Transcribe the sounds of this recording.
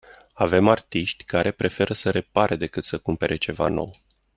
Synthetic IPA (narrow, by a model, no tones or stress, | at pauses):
ave̞mart̪iʃt̪ʲkaɾe̞pɾe̞fe̞ɾʔəsəɾe̞paɾʔed̪e̞kɨt̪səkumpe̞ɾʔe̞t͡ʃe̞va̰no̞̰w